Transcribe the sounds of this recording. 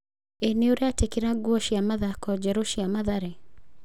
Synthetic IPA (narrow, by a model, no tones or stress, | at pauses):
eneoɾeatekeɾaɡwɔʃiamaðakɔd͡ʒɛɾoʃiamaðaɾe